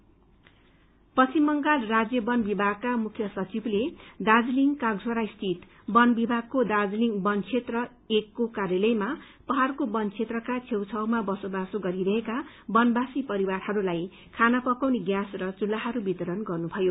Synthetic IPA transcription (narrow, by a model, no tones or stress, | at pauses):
pʌsimːʌŋɡalrad͡zjʌbʌnbibʱaɡ̚kamukʰjʌsʌt͡sibled̪ad͡zliŋkaɡd͡zʱwʌɾaist̪ʰit̪ | bʌnbibʱaɡ̚kod̪ad͡zliŋbʌnt͡sʰet̪rʌ | ekːokarjʌlʌjma | pʌɦarkobʌnt͡sʰet̪rʌkat͡sʰewt͡sʰʌwmabʌsobasoɡʌɾiɾʌɦeka | bʌnbasipʌɾiwarhʌɾulaj | kʰanapʌkawniɡjasrʌt͡sulːaɦʌɾubit̪ʌɾʌnɡʌrnubʱʌjo